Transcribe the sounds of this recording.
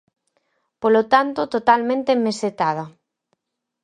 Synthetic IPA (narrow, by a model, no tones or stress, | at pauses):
polot̪ant̪ot̪ot̪almẽnt̪emeset̪að̞a